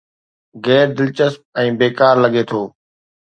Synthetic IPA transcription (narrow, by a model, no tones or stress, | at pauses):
ɣɛːɾd̪ɪlt͡ʃəsm̚ɛ̃ːbeːkaːɾlɐɠet̪ʰoː